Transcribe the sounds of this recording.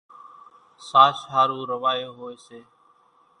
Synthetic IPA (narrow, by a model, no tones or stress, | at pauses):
saːsɦaːɾuːɾəʋaːjoːɦoːeːseː